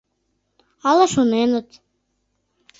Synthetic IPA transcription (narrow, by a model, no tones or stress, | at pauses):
ɑlˠɑʃunenə̆t̪